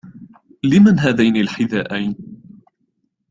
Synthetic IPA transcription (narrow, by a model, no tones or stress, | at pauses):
lɪmanɦaːðajnilħɪðaːʔajn